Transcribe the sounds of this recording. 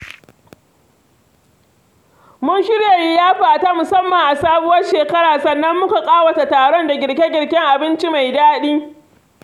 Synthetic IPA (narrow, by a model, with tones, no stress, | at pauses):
mʊ˦nʃɪ˦ɽja˨ji˦jaː˦ɸaː˨taː˦mʊ˨sɐ˦mːɐ˨ŋʔa˨saː˦bʊ˦wɐ˦rʃeː˨kɐ˦ɽaː˨sɐ˨nːɐ˦mːʊ˦ka˨kʼaː˦wɐ˨ta˨taː˨ɽɔ˦nda˨ɡʲɪ˨ɽkʲe˦ɡʲɪ˨ɽkʲɛ˦ŋʔa˨bɪ˦nt͡ʃi˦ma˨jdaː˦ɗiː˦